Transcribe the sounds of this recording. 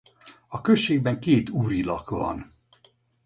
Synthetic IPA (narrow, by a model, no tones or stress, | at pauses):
ɒkøʃːeːɡ̚bɛŋkeːt̪uːɾilɒ̰kvɒ̰n